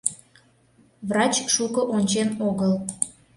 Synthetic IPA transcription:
vrɑt͡ɕʃukəʔonʲt͡ɕenoɣəl

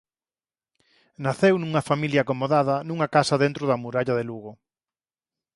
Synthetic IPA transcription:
naθewnuŋɐfamiljaːkomoðaðɐnuŋɐkasɐðent̪ɾʊðɐmuɾaʎɐðeluɣo

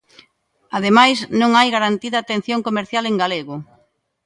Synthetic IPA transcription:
aðemajsnõŋajɣaɾant̪iðɐːt̪en̟θjoŋkomeɾθjaleŋɡaleɣʊ

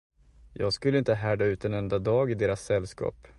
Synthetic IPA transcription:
jɑːɡskɵlːəɪnt̪əɦæːɖaʉ̟ːt̪ɛnɛnd̪ad̪ɑːɡɪd̪eːɾasːɛlːskɑ̰ːp

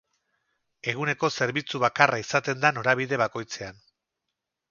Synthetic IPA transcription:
e̞ɣ̞une̞ko̞se̞ɾβit͡suβakaraisat̪e̞nd̪ano̞ɾaβ̞iðe̞βako̞jt͡se̞an

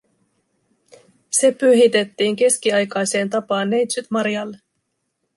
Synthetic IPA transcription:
se̞pyɦit̪e̞t̪ːiːŋk̟e̞skiɑjkɑjse̞ːnt̪ɑpɑːnːejt̪syt̪mɑɾjɑlːe

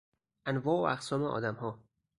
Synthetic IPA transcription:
ʔænvɒːoʔæqsɒːmeʔɒ̰ːd̪æmhɒː

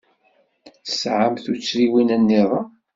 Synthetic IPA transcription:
θsʕəmθut͡sːɾiwinænːiðˤɑ

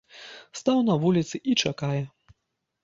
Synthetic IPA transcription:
st̪awnɐvulʲit̪sɨʔit͡ʂakajɛ

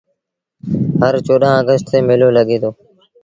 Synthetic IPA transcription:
ɦəɾt͡ʃoːɗãːəɡəsʈt̪eːmeːloːləɠeːt̪ʰoː

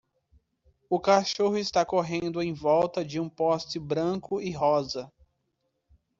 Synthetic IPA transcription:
ʊkaʃoɦʊɪst̪akoɦẽnd̪ʊẽj̃vɔwt̪ɐd͡ʒɪũpɔst͡ʃɪbɾɐ̃kʊʔɪɦɔzɐ

